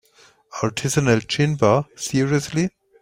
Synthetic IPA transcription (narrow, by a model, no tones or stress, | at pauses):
aɹtʰɪsɔnəlt͡ʃɪ̃mbəsiɹiəsli